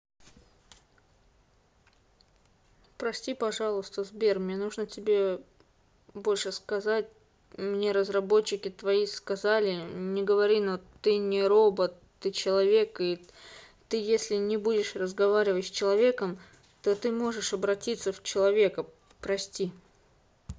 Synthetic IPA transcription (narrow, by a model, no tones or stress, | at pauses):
pɾɐsʲtʲipɐʐɑlˠʊst̪əzbʲe̞rmnʲenuʐnətʲɪbʲe̞ | bo̞lʲʂɨskɐzatʲ | mnʲeɾəzrɐbo̞t͡ɕːɪkʲɪt̪vɐiskɐzalʲɪnʲɪɡəvɐɾʲinot̪ɨnʲɪɾo̞bət̪ːɨt͡ɕɪlˠɐvʲe̞kɨ | t̪ɨjesʲlʲɪnʲɪbudʲɪʂrəzɡɐvaɾʲɪvətʲsʲt͡ɕɪlˠɐvʲe̞kəm | t̪o̞t̪ɨmo̞ʐɨʂɐbɾɐtʲit̪səft͡ɕɪlˠɐvʲe̞kə | pɾɐsʲtʲi